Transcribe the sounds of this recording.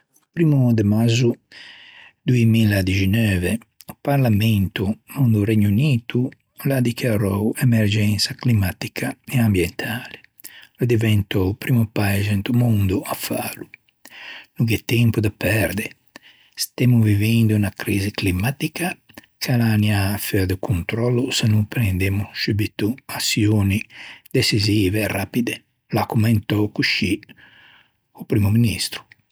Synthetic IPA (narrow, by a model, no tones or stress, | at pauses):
upɾiːmud̪emazu | d̪uemilad̪id͡ʒinøːveupaɾlamɛnt̪umund̪uɾɛɲuniːt̪u | lad̪ikjaɾɔwɛmɛɾd͡ʒɛnsaklimat̪i̥kʰaeambjɛnt̪ʰaːle | lod̪ivɛnt̪ɔpɾimupajzent̪umund̪uafa̰ːlu | nukɛt̪ːɛmpud̪apɛɾd̪e | st̪emuvivɛnd̪uunakɾiːziklimat̪ika | kalaniafɛɾd̪əkʰunt̪ɾɔlːusanupɾɛnd̪emusubit̪uasjoːnid̪esiziːveːrapid̪e | lakumɛnt̪ɔkuʃi | upɾimuminist̪ɾu̥